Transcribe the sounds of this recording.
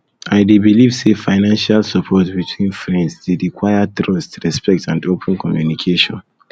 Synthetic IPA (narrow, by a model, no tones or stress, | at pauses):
aɪdebilivsefaɪnãnʃalsapʰɔtbitʰwĩnfɹɛ̃ndsdedikʰwajatɹɔstɹɛspɛk̚tʰãndopʰɛ̃nkʰɔmjunikʰeʃɔ̰̃n